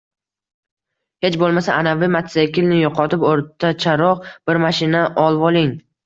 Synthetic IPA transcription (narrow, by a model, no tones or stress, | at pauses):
he̞t͡ʃbolˠmasaanavɪmat̪sekʲɪlnɪjɒqɒt̪ɪpoɾt̪ʰat͡ʃʰaɾɒqb̥ɪɾmaʃɪnaʔɒlˠvɒlˠɪŋ